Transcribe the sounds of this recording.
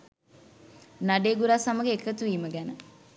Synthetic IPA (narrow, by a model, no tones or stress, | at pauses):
naɖeːɡuɾaːsaməɡeːkːət̪uʋiːməɡænə